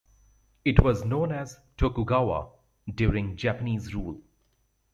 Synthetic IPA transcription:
ɪʈwɔznõːnæz | ʈʰokuɡawa̰ | ɖjuːɾɪ̃ŋd͡ʒæpəniːzɾuːl

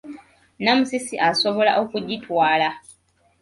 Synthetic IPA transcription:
namusisiʔaso̞βo̞la̰ʔo̞kuɟitwaːla

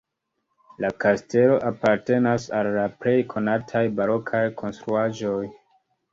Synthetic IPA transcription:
lakaste̞lo̞ʔapaɾte̞nasalːaple̞jkʰo̞natʰajbaɾo̞kʰajkʰo̞nstɾuaʒo̞j

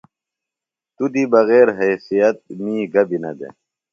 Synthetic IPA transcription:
t̪ud̪ibɐɣeːɾɦeːsijɐt̪̚miːɡɐbinɐ̰d̪ḛ

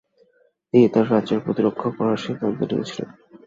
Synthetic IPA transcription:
et̪aɾkat͡ɕeɾpɾo̰t̪iɾokʰːopɔɾaʃikant̪oʈḭḛt͡ɕʰilḛn

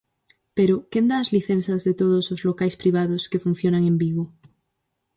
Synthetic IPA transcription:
peɾokend̪aːzliθen̟θazðet̪oð̞osozlokajspɾiβ̞aðoske̞fun̟θjonaŋẽmbiɣo

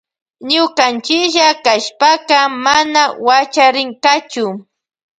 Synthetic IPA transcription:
ɲʊkant͡ʃɪkʃakaʃpakɑmanawat͡ʃaɾɪŋkat͡ʃʊ

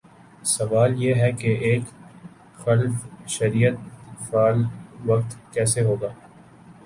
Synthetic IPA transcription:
sɐʋaːljeɦɛkeʔeːk | xɐlfʃɐɾijət̪̚faːlʋɐk̚t̪kɛːseɦoːɡaː

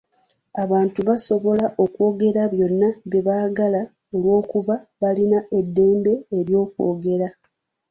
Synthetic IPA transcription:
aβaːntuβaso̞βo̞laʔo̞kwo̞ːɡe̞ɾaβjo̞nːaβeβaːɡala | o̞lwo̞ːkuβaβalinaʔe̞dːe̞ːmbe̞ːɾjo̞ːkwo̰ːɡe̞ɾa

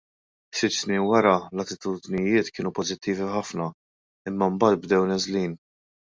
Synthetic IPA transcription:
sɪt̪ːsniːnwɐɾɐlɐt̪ɪt̪uːd̪nɪjɪːt̪kɪːnupɔzɪt̪ːiːviħɐfnɐ | ɪmːɐmbɐːt̪̚bd̪ɛwnɛzliːn

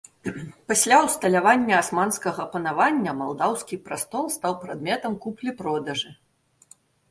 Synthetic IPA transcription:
pasʲlʲawst̪ɐlʲavanʲːɐːsmanskɐɣɐːpɐnavanʲːɐmalˠd̪awskʲipɾast̪ɔlˠst̪awpɾad̪mʲɛt̪ɐmkuplʲipɾɔd̪ɐʐɨ

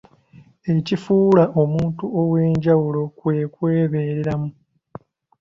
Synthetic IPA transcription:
e̞cifuːlaʔo̞muːntuowe̞ːɲɟawulo̞kwe̞kwe̞ːβe̞ːɾeɾamu

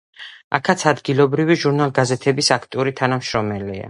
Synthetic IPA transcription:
a̰kʰat̪sʰad̪ɡilˠɔbɾiviʒuɾnalˠɡazɛt̪ʰɛbisakʰt̪ʼiuɾit̪ʰanamʃɾɔmɛlia̰

